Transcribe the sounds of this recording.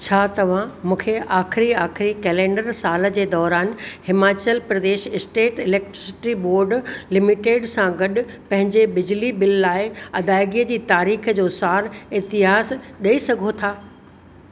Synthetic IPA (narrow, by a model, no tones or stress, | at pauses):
t͡ɕʰaːt̪ɐʋ̤ãmũːkʰeaːxɪɾiaːxɪɾikɛːlẽːɳɖəɾsaːlə̆d͡ʑeːd̪ɔːɾaːnhɪmaːt͡ɕəlpɾɐd̪eːʃɪsʈeːʈɪlɛːk̚ʈɾɪsɪ̥ʈɾiboːɾɖlɪmɪʈeːɖsãɡɐɗʊ̆pɐ̃ɦɪ̃ɲd͡ʑebɪd͡ʑlibɪlːaːɪɐd̪aːɪɡiːəd͡ʑiːt̪aːɾiːxəd͡ʑoːsaːɾɪɦt̪ɪɦaːzɗɐisɐɡʱot̪ʰaː